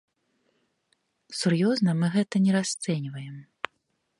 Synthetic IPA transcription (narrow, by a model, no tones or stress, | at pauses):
surjɔznɐmɨɣɛt̪ɐnʲɛɾast̪sɛnʲvɐjɛm